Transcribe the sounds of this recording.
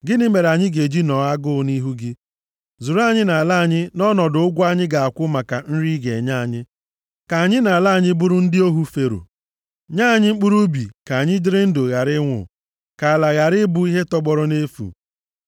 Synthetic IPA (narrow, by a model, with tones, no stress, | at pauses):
ɡɪ˦nɪ˦me˨ɾa˨ɲɪ˦ɡe˨d͡ʒi˦nɔ˨a˦ɡʊ˦ni˦ɦu˦ɡɪ˦ | zu˨ɾa˦ɲɪ˦na˨la˦a˨ɲɪ˦nɔ˦nɔ˨dʊ˨ʊ˦ɡʷa˦ɲɪ˦ɡa˨a˨kʷʊ˦ma˨ka˨n̩˦ɾi˦ɡe˨ɲa˦˨ɲɪ˦ | ka˨a˨ɲɪ˦na˨la˦˨ɲɪ˦bʊ˦ɾʊ˦n̩˦dɪ˦o˦ɦu˦fe˨ɾṵ˨ | ɲaː˦˨ɲɪ˦ŋ͡m̩˦k͡pu˦ɾu˦bi˨ka˨ɲɪ˦d͡ʒɪ˦ɾɪ˦n̩˦do˨ɣa˨ɾɪ˦ŋʷʊ̰˨ | ka˨a˨la˨ɣa˨ɾɪ˦bu˦i˦ɦe˦tɔ˦ɡ͡bɔ˨ɾɔ˦ne˦fṵ˨